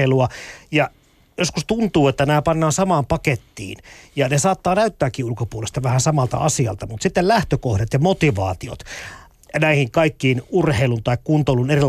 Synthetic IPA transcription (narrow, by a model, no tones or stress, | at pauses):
eiluɑjɑ | joskust̪unt̪uːet̪ːænæːpɑnːɑːnsɑmɑːmpɑket̪ːḭːnjɑnesɑːt̪ːɑːnæyt̪ːæːkːiːulkopuolest̪ɑʋæhæsɑmɑlt̪ɑ̰ɑsiɑ̰lt̪ɑmut̪sit̪ːellæht̪økohdet̪jɑmot̪iʋɑ̰ːt̪io̰t̪ | næihiŋkɑikːiːnurheilunt̪ɑikkunt̪oluneri